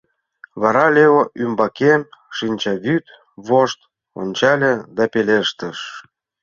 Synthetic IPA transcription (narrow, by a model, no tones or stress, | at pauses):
βɑɾɑlʲeβoʔymbɑkenʃinʲt͡ɕɑβyt̪ | βoʃt̪ | o̰nʲt͡ɕɑlʲed̪ɑpeleʃt̪əʃ